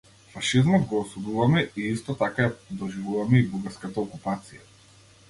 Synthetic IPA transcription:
faʃizmɔd̪ɡɔːsud̪uvamɛiist̪ɔt̪akajapd̪ɔʒivuvamɛibuɡaɾskat̪aɔkupat̪sija

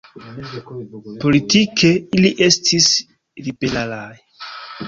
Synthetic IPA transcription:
po̞litikʰeiliʔe̞stʰis | ɾibelalaj

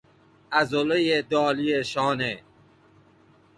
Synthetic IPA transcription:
æzolejed̪ɒːlieʃɔːne

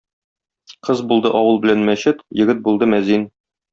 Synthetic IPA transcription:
qɤzbulˠd̪ɤʔɒwɤlˠbɘ̆lænmæɕɘt̪jɘ̆ɡɘt̪̚bulˠd̪ɤmæzin

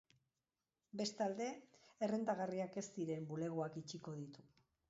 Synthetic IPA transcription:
be̞st̪ald̪e̞ːrend̪aɣariake̞st̪iɾe̞mbule̞ɣuakit͡ʃiko̞ð̞it̪u

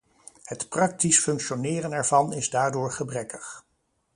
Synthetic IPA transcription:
hətprɑk̚tisfɵŋkʃonɪːrənɛɹvɑnɪzdaːɹdʊːɹχəbrɛkəχ

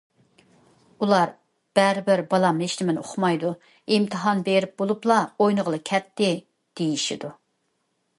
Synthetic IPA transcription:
ulˠɑɾ | b̥ɛɾɪbɪɾbɑlˠɑmeʃnɪmɪnoχmɑjd̪u | imt̪ʰɨɦɑnbeɾɪp̚bolˠuplˠɑojnəʁəlˠɨkʲʰɛt̪ːɪ | d̪̥ejiʃḭd̪u

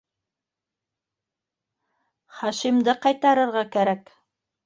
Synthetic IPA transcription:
χɑʃimd̪ɤqɑjt̪ɑɾɤ̆ɾʁɑkæɾæk

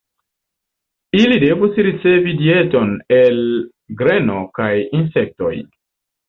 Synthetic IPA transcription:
ilide̞vusɾit͡se̞vidie̞to̞nel | ɡɾe̞nokajinsek̚to̞̰j

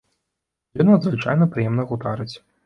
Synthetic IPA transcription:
jʲɔnɐd̪zvɨt͡ʂa̰jnɐpɾɨjɛmnɐɣud̪aɾɨt͡sʲ

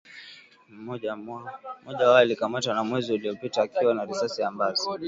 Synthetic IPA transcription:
mɔamɔʄawajalikamatanamwɛziuliɔpitaːkiwanaɾisasijambazi

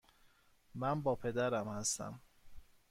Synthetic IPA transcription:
mænbɒːpʰe̞d̪æɾæmhæst̪æ̰m

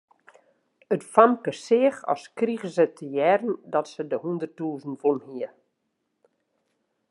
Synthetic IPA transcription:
ətfamkəsɪəxɔ̰skriɣəsətʰəjɛrən̩dɔtsədəhundərtuːzn̩funhiə

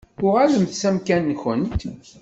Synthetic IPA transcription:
ʊʁæləmθsæmkænːçənt̪

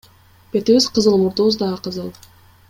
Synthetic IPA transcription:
pet̪iβiz̥qəzɯlˠmuɾt̪uuzd̪ɑʁəqɯzɯlˠ

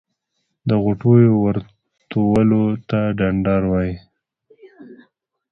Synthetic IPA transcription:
d̪əɣʊʈojowəɾ | t̪owəlot̪aɖaɳɖɑɾwɑji

